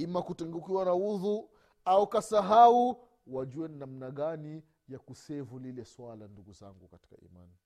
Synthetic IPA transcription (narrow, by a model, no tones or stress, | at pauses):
imakutɛŋɡukiwanauðu | aukasaɦau | waʄuwɛninam̩naɠani | jakusɛvulilɛswalanduɡuza̰ŋɡukati̥ka̰ḭma̰ni